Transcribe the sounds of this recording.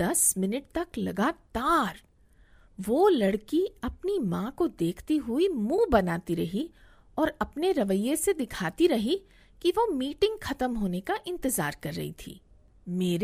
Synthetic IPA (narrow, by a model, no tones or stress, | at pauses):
ɐsmɪnəʈ̚t̪ɐklɐɡaːt̪aːɾ | ʋoːlɐɽkiɐpnimãkod̪eːkʰt̪iɦʊimũːbɐnaːt̪iɾɐɦi | ɔːɾɐpneɾɐʋəjesed̪ɪkʰaːt̪iɾɐɦi | kiʋomiːʈɪ̃ŋɡxɐt̪əmɦoːnekaʔɪ̃nt̪ɪzaːɾkɐɾːɐ̰ɦḭt̪ʰḭː | meːɾ